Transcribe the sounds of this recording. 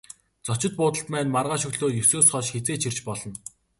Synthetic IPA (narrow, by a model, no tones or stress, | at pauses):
t͡sɔt͡ɕɪ̆t̪̚pʊːt̪ə̆ɬt̪̚pæːnmarʁaːʃɵɣɮoːjɵsoːsχɔʃxet͡seːt͡ɕʰirt͡ɕpɔɮɞ̆n